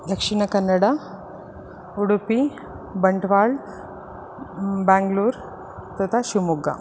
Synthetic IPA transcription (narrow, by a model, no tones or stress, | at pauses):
d̪ʱəkʂiɳ̃əkənːəɽa | uɽpi | bəɳʈʋaɭ | bãŋɡluːɾ | t̪ət̪ʰaɕumuɡa̰